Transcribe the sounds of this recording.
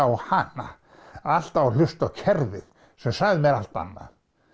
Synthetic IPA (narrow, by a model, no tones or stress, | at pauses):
awhanːa̰ | al̥t̪awɾlʏst̪awcʰɛɾvɪð | sɛmsaɣðɪmɛɾa̰l̥t̪a̰nːa̰ð